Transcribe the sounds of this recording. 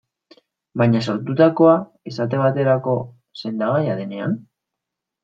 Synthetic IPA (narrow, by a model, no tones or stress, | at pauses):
baɲaso̞ɾt̪ut̪ako̞a | esat̪̬e̞βat̪e̞ɾako̞ | se̞nd̪aɣ̞ajaðe̞ne̞a̰n